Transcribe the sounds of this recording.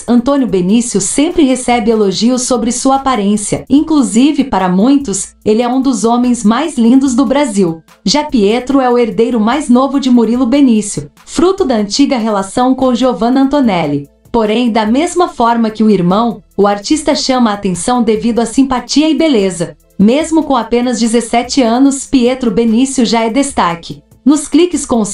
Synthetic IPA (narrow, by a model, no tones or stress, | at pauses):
ɐ̃nt̪õnjʊbenisjʊsẽmpɾɪɦesɛbɪeloʒiʊsːobɾɪsuɐapaɾẽsiɐ̰ĩŋkluzivɪpaɾɐmũj̃t̪ʊs | elɪɛũd̪ʊzõmẽj̃zmajzlĩnd̪ʊzd̪ʊbɾaziw | ʒapiet̪ɾʊɛʊeɾd̪ejɾʊmajznovʊd͡ʒɪmuɾilʊbenisjʊ | fɾut̪ʊd̪ɐɐ̃nt͡ʃiɡɐɦelasɐ̃w̃kõʒeovɐ̃nɐɐ̃nt̪onɛlɪ | poɾẽj̃d̪ɐmezmɐfɔɾmɐkɪʊiɾmɐ̃w̃ʊaɾt͡ʃist̪ɐʃɐ̃mɐaːt̪ẽsɐ̃w̃d̪evid̪ʊasĩpat͡ʃiɐɪbelezɐ | mezmʊkõw̃apẽnɐzd͡ʒɪzesɛt͡ʃɪɐ̃nʊspiet̪ɾʊbenisjʊʒaɛd̪est̪akɪ | nʊsklikɪskõs